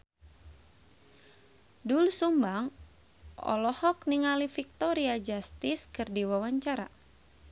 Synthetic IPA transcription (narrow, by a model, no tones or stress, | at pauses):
dulsumbaŋ | ɔ̰lɔhɔkniŋalifik̚t̪ɔɾiad͡ʒast̪iskɨrdiwawaɲt͡ʃaɾa̰